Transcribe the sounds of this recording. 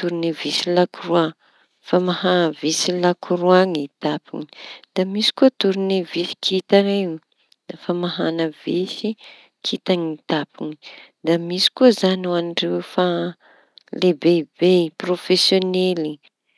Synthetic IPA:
t̪uɾinivisilakurua | famahanvisilakʰuɾuaŋit̪apḭŋi̥d̪̥amisi̥kuət̪uɾinivisi̥kʰit̪anei | d̪afamaɦanəvesi | kʰit̪aŋit̪apiŋi̥d̪amisi̥kuəzanuanɖ͡ʐewfa | lebeibeprofesjoneli

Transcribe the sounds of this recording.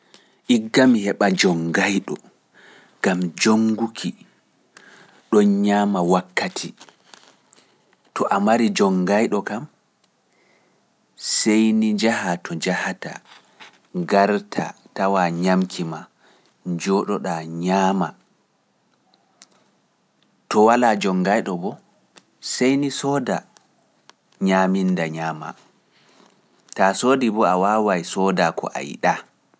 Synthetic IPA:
ʔiɡːamihɛɓad͡ʒɔŋɡajɗɔ | ɡ̥amd͡ʒoŋɡukʰi | ɗɔnɲaːmawakʰːatʰi | tɔʔamaɾid͡ʒɔŋːɡajɗɔkam | sejnid͡ʒahatʰɔd͡ʒahata̰ | ɡaɾtʰa̰tawaɲamkʰima | d͡ʒɔɗɔɗaɲaːma̰ | tɔwalad͡ʒɔŋɡajɗɔbɔ | sejnisɔːda | ɲaːmindaɲaːma̰ | tasoːdibɔawaːwajsɔdakʰɔ̰ʔa̰jɗa

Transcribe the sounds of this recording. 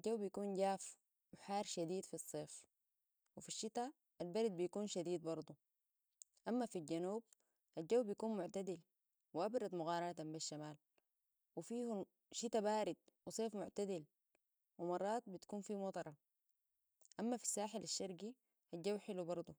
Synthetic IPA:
aɟawːbijakuːnɟaːf | wiħaːɾʃad̪iːd̪fisˤːeːf | wifiʃːit̪a | ʔalbaɾid̪̚bijakuːnʃad̪iːd̪̚bɑɾˤd̪ˤu | ʔamːafilɟanuːb̚ | ʔad͡ʒawːbijakuːnmʊʕt̪ad̪il | wiʔabɾˤɑd̪mʊɣɑːɾˤɑɾɑt̪ambiʃːamaːl | wifiːhu | ʃit̪abaːɾid̪̚wisˤeːfmʊʕt̪ad̪il | wimɑrˤːɑːt̪̚bit̪ḁkuːnfiːmɑt̪ˤɑɾˤɑ | ʔamːafi̥sːaːħɪlaʃːɑɾɡi | ʔad͡ʒawːħɪlubɑɾˤd̪ˤu

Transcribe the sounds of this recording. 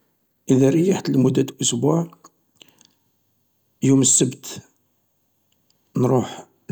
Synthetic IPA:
ʔiðæɾəjːaħḁt̪ːəlmud̪ːæt̪ʔʊsbuʕ | juməsːəbt̪ | nɾˤuħ

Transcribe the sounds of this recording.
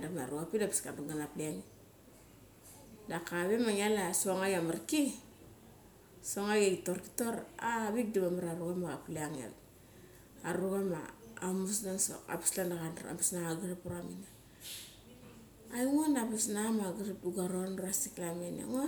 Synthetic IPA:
damaɾuapilapi̥skaduɡanapliani | dakaβemaŋialasuoŋaɡamarki | soŋaɡaɡitoɾki̥toɾaβik̚dibamaɾaɾuɣamaɡapleaŋḛl | aɾuɣama̰amusnanso̰ka̰pi̥slandaɣana̰pasnaŋaɡiɾapuɾamina | aiŋonapisnamaɡiɾap̚duɡaɾonuasiklamena̰ŋo

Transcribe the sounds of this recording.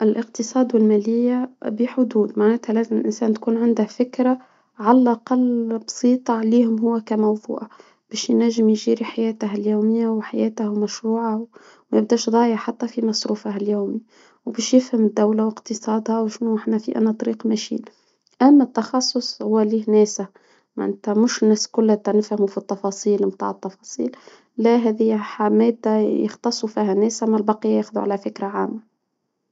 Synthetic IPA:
ʔɪlʔəqt̪ɨsˤɑːd̪wɪlmæːlɪjːabiħʊd̪uːd̪maʕnæːt̪hælæːzɪmɪlʔɪnsæːnt̪kuːnʕand̪æfɪkɾa | ʕalælʔɑqɑlːbsiːt̪ˤɑʕliːhʊmɦʊwːækæmɑwðˤṵːʕ | b̥ɛːʃjnæʒɪmjʒiːɾiħajæːt̪aɦæljuːmɪjːawħajæːt̪hmæʃɾuːʕaw | mæb̚d̪æːʃðˤɑːjəʕħat̪ːæfimɑsˤɾuːfahæljuːmi | wbɛːʃjɪfhəmd̪ːæwlawəqt̪əsˤɑːd̪hæwʃnuʔəħnæfḭʔæ̰næt̪ˤɑɾiːqmæʃḭːn | ʔæmːæt̪ːɑxɑsˤːʊsˤhʊwːæliːhnæːsa | maʔɪnt̪æmʊʃnːæːskʊlːæt̪ænɪfhmufit̪ˤːɑfɑsˤiːlmt̪a̰ːʕət̪ːɑfɑsˤḭːl | læɦɛːðijħamæːd̪ajə̰xt̪ɑsˤːufiːhænæːsamælbɑqijːajɛxðuʕa̰læfɪkɾaʕaːmːa

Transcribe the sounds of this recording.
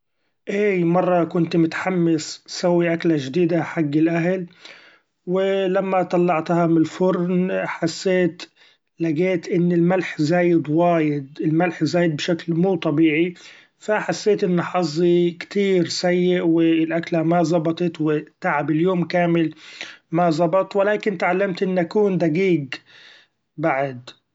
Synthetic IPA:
ʔeːmɑrˤːɑkʊnt̪mʊt̪ħamːɪssawːiʔaklaʒd̪iːd̪aħaɡːɪlʔaɦl | wɪlamːat̪ˤɑlːɑʕt̪hɑmɪlfʊɾnħasːeːt̪ | laɡeːt̪ʔɪnːɪlmalħzaːjɪd̪waːjɪd̪̚ɪlmalħzaːjɪd̪̚bʃaklmuːt̪ˤɑbiːʕi | faħasːeːt̪ʔɪnːħɑzˤːikt̪iːɾsajːɪʔwɪɪlʔaklamazˤɑbɑt̪ˤɑt̪wɪt̪aʕabɪljoːmkaːmɪlmazˤɑbɑt̪ˤwɪlaːkɪnt̪ʕalːamt̪ʔɪnːʔakuːnd̪aɡiːɡ | baʕad̪

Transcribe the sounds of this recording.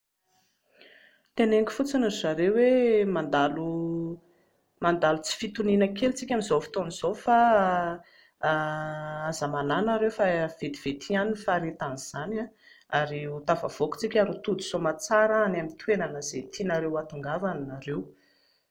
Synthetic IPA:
t̪eneŋkʲi̥fut͡sinizaɾewemand̪alu | mand̪alut͡si̥fit̪uninəkelt͡sikʲamizofi̥t̪oniz̥ofa | azəmananaɾewfav̥et̪i̥v̥et̪ʰianinfaɾet̪aniz̥ana | aɾiut̪ava̰v̥oku̥t͡sikʲaɾet̪ud̪uz̥omat͡saɾəanamit̪wenanəzet̪ʰinaɾewat̪uŋɡavaninaɾew

